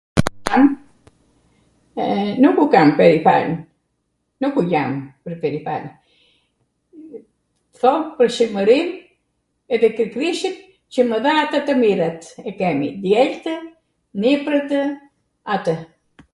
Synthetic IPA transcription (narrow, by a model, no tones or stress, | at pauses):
am | nukukampɛɾifa̰ln | nukujampəɾpɛɾipa̰l | θɔpəɾʃəməɾim | ɛðɛkɾikɾiʃit̪ | t͡ɕəməðaːt̪ət̪əmiɾat̪ɛkɛmid̪jɛlt̪ə | nipɾət̪ə | at̪ə